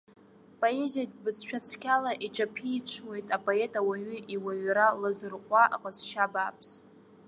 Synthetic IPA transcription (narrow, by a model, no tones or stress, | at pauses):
pʼo̞e̞zijabɨsʃᶣat͡sʰkʲalaʔiʈ͡ʂʼapʰiːt͡ʃʷʰwe̞jtʼapʼo̞etʼawaɥʏʔiwaɥɾalɨzɨrqʷʼaʔa̰qʼəzʃabaːpʰs